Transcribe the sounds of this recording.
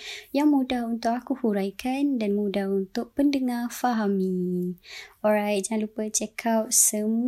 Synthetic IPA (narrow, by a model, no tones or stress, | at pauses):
jaŋmudahunt̪ʊkakuhuɾajkʰandanmudahunt̪ʊʔ̚pəndəŋafaɦamĩ | ɔɹajt̪̚d͡ʒaŋãnlupət͡ʃɛkʰap̚səm